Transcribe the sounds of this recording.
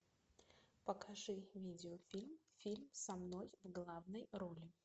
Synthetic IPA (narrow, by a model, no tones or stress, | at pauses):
pəkɐʐɨvʲidʲɪofʲilʲmfʲilʲmsɐmno̞jvɡlˠavnəjɾolʲɪ